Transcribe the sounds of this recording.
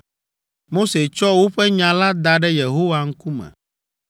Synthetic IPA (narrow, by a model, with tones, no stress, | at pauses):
mo˦se˨t͡ʃɔ˦wo˦ɸɛ˦ɲã˨la˦d̪a˨ɖɛ˦je˨ɦo˦wa˨ŋ̩˦ku˦mɛ̰̃˨